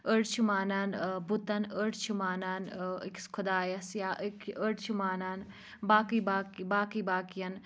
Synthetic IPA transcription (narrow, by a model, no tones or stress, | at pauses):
əɽt͡ʃʰumaːnaːnbut̪ɐnəɽt͡ʃʰumaːnanikskʰud̪aːjɐsjaːʔəkəɽt͡ʃʰumaːnaːn | baːkibaːkibaːkibaːkijɐn